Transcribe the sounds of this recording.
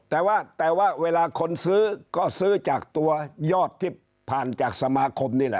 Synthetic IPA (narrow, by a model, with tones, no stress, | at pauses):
t̪ɛː˨˩waː˥˩t̪ɛː˨˩waː˥˩weː˧laː˧kʰo˧nsɯː˦˥˩kɔː˥˩sɯː˥˩t͡ɕaː˨˩k̚t̪u˧ɐjɔː˥˩t̪ʰːiː˥˩ | pʰaː˨˩nt͡ɕaː˨˩k̚sa˧maː˧kʰo˧mniː˥˩lɛ̰˨˧ʔ